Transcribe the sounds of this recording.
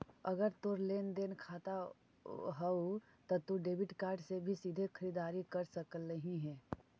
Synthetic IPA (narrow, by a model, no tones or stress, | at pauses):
ɐɡəɾt̪oɾleːnd̪eːnkʰaːt̪a | ɦɛu | t̪ot̪uɖeːʋɪʈkaːɾɖsebʱisiːd̪ʱekʰɐɾiːd̪aːɾikɐɾsəkəlːɐɦĩɦɛː